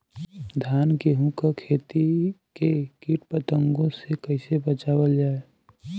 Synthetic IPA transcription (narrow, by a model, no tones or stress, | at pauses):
d̪ʱjaːnkeɦũkakʰeːt̪ikekiːʈpət̪ə̃ŋɡõsekəɪsebət͡ʃaːwəld͡ʒaːe